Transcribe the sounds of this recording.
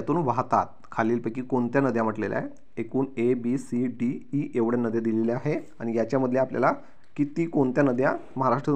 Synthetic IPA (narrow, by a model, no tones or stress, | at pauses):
jat̪uːnʋaɦt̪at̪̚ | kʰaliːlpəkiːkoɳt̪janəd̪ʱjãm̤əʈlelja̰e | ekuːnebisiɖiiʔeʋɽjanəd̪ʱjad̪ileleaɦeaɽ̃ijat͡ɕjaməd̪ʱljeaplja̰la | kit̪iːkoɳt̪janəd̪ʱjaməɦaɾaʂʈɾə